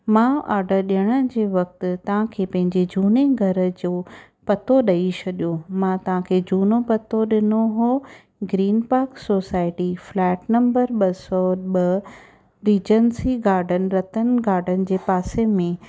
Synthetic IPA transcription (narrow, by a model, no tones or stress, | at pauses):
mãa̰ːɾɖəɾɗijəɽ̃əd͡ʑeːʋɐk̚t̪ɪ̆t̪ɐʋ̤ãkʰeːpɐ̃ɦɪ̃ɲd͡ʑed͡ʑuːneɡʱɐɾə̆d͡ʑoː | pɐt̪ʰoɗɐit͡ɕʰɐɗjomãt̪ɐʋ̤ãkʰeːd͡ʑuːnopɐt̪ʰoɗɪnoɦoː | ɡɾiːnpaːɾksoːsaːɪʈiflɛːʈnɐ̃mbəɾɓɐsɔɓɐ | ɾiːd͡ʑənsiɡaːɾɖənɪ̆ɾɐt̪ənɪ̆ɡaːɾɖʱənɪ̆d͡ʑeːpaːsemẽ